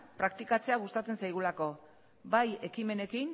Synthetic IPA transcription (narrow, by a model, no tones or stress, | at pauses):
pɾakt̪ikat͡se̞aɣ̞ust̪at͡se̞nsajɣ̞ulako̞ | baje̞kime̞ne̞kin